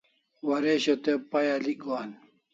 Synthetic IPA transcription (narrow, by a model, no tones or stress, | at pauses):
wɐɾeɕot̪epɐjaliɡwaːn